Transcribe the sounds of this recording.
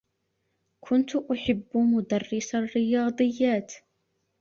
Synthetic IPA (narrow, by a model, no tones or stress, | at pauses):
kʰʊnt̪ʊʔʊħɪbːmʊd̪ɑrːɪsarːɪjɑːd̪ˤɨjːaːt̪